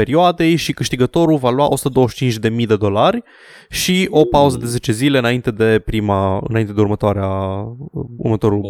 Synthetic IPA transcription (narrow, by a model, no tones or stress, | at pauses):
eɾioad̪e̞jʃikɨʃt̪iɡət̪o̞ɾulvalwaʔo̞su̥t̪əd̪o̞wəʃt͡ʃint͡ʃd̪e̞mijd̪e̞d̪o̞larʲ | ʃio̞pauzəd̪e̞ze̞t͡ʃe̞zile̞ɨnaint̪e̞d̪e̞pɾimaɨ̰naint̪e̞d̪̞uɾmət̪oaɾea | ṵrmət̪o̞ɾu